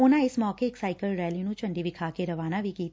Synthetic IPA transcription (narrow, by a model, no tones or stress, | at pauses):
ʊnãɪsmɔːkeːksaːɪkəlɾɛːlinũt͡ʃɐ̃ɳɖibɪkʰaːkeɾɐʋaːnabʱikiːt̪